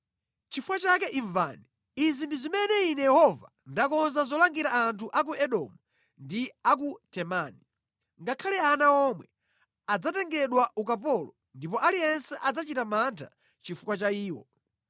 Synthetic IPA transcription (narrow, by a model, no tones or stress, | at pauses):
t͡ʃifukwat͡ʃak̬ɛʔiɱva̰nɛ | izindizimɛnɛinɛjɛhɔva | ndakɔnzazɔlaŋɡiɾaantʰuʔak̬uʔɛɗɔmu | ndiak̬utʰɛmaːni | ŋɡakʰalɛanaɔmwɛ | ad͡zatɛŋɡɛɗwaʔukapɔlɔ | ndipɔʔalijɛnsɛʔad͡zat͡ʃitamantʰa̰ | t͡ʃifukwat͡ʃaiːwɔ̰